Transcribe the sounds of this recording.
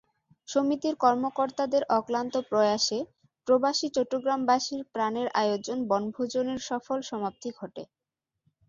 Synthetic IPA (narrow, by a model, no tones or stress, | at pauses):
ʃomit̪iɾkɔɾmokoɾt̪ad̪eɾʔɔklant̪opɾɔjaʃe | pɾobaʃit͡ɕɔʈːoɡɾambaʃiɾpɾaneɾʔajod͡ʑonbɔnbʱod͡ʑoneɾʃɔfolʃɔmap̚t̪iɡʱɔʈe